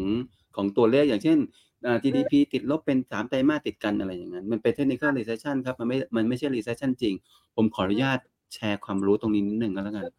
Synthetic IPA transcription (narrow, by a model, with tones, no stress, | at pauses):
ŋ | kʰɔː˩˦ŋt̪u˧˩ɐleː˥˩k̚jaː˨˩ŋt͡ɕʰe˥˩n | ʔaː˨˩t͡ɕiː˧diː˧pʰiː˧t̪i˨˩t̪̚lo˦˥pːe˧nsaː˩˦mt̪a˧jmaː˥˩t̪i˨˩t̪̚ka˧nʔa˧ɾa˧jːa̰ː˨˩ŋːa˦˥nma˧npe˧nt̪ʰe˦˥k̚ni˧˥kʰɾaː˥˩ɾiː˧seː˦˧˥t͡ɕʰa˥˩nkʰa˦˥p̚ma˧nma˥˩ma˧nma˥˩jt͡ɕʰa˥˩jɾiː˧seː˧˦˥t͡ɕʰa˥˩nt͡ɕi˧ŋ | pʰo˩˦mkʰɔː˩˦ɾu˦˥jaː˥˩t̪̚ | t͡ɕʰɛː˧kʰwaː˧mɾuː˦˥t̪o˧ŋniː˦˥ni˦˥nːɯ˨˩ŋka˥˩la˦˥ka˧n